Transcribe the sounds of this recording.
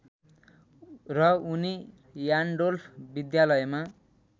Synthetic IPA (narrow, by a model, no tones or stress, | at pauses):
rʌuni | jaɳɖolbid̪jalʌjma